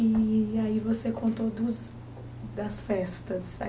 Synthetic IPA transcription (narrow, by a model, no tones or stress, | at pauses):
iaivosekõnt̪od̪ʊz | d̪ɐsfɛst̪ɐsɐ̰